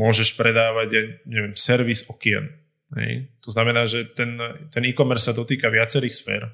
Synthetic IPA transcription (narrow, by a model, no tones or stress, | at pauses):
mʊɔʒɛʃpɾɛd̪aːʋaɟaɲɛʋjɛmsɛɾʋisɔkiɛ̰n | ɦɛ̰jt̪ɔznamɛnaːʒɛt̪ɛnt̪ɛniːkɔmɛɾssːad̪ɔt̪iːkaʋɪat͡sɛɾiːxsfɛ̰ːɾ